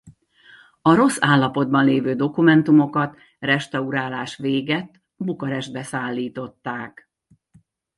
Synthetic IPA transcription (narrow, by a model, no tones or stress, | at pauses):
ɒɾo̞sːaːlːɒpo̞d̪̚bɒnleːvøːd̪o̞kumɛnt̪umo̞kɒt̪ | rɛʃt̪ɒuɾaːlaːʃʋeːɡɛt̪ː | bukɒɾɛʒd̪̚bɛsaːlːiːt̪o̞t̪ːaːk